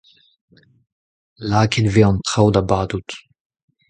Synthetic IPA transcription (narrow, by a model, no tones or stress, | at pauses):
laːkʰedveɔnt̪χawd̪abaːd̪ut̪